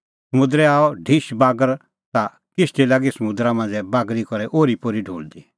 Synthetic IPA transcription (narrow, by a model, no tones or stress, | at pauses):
sɐmʊ̃d̪ɾɛaːɔɖʱiʃbaːɡəɾ | t̪a | kɪsʈ̪ilaːɡisɐmʊd̪ɾamãːnd͡ʒɛbaːɡɾikɔɾɛʔoːɾipoɾiɖʱuːld̪i